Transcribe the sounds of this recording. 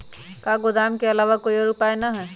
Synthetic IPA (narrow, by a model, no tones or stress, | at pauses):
kaːɡʊd̪aːmkeɐlaːʋakoːiɔːɾʊpaːenaɦɛː